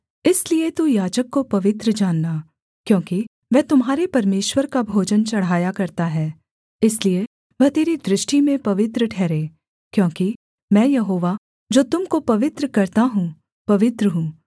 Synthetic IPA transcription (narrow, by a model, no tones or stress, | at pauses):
ɪsliet̪ujaːd͡ʒəkːopɐʋɪt̪ɾəd͡ʒaːnːaː | kjõːki | ʋɛːt̪ʊmɦaːɾepɐɾmeːʃwəɾkabʱoːd͡ʒənt͡ʃɐɽ̤aːjakɐɾt̪aɦɛː | ɪslie | ʋɐɦt̪eːɾid̪ɾɪʃʈimẽpɐʋɪt̪ɾəʈʰɛːɾẽː | kjõːki | mɛ̃ːjɐɦoːʋa | d͡ʒoːt̪ʊmkopɐʋɪt̪ɾəkɐɾt̪aɦũ | pɐʋɪt̪ɾəɦũː